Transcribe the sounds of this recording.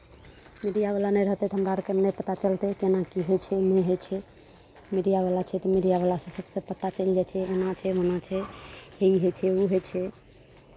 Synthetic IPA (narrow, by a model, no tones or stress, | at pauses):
miɖijaβalanɛɾəɦt̪ɛt̪ɔɦəmɾaɾkemnɛpət̪at͡ʃəlt̪ɛkenakiɦot͡ʃʰɛmeɦet͡ʃʰɛ | miɖijaβalat͡ʃʰɛt̪ɔmiɖijabalasə̃səbsə̃pət̪ːat͡ʃəld͡ʒat͡ʃʰɛenat͡ʃʰɛɦonat͡ʃʰɛɦeiɦet͡ʃʰɛuɦet͡ʃʰɛ